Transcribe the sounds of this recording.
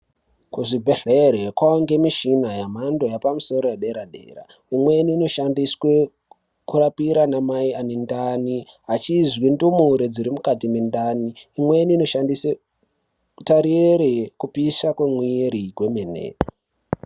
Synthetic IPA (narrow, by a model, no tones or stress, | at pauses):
kuʐibʱeɬeɾekwaoŋɡe̞miʃinajam̤ando̞japamuso̞ɾo̞jeɗe̞ɾaɗḛːra̰ | imwe̞niːno̞ʃandiswe | kurapiɾanamaianendani | ɦat͡ʃizwindumuɾed͡ziɾimukatimendaniːmwe̞niːno̞ʃandise | taɾieɾekupisakwemwieɾiɡwe̞menḛ